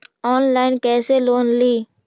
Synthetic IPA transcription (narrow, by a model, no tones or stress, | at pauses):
ɔːnlaːɪnkɛːseloːnliː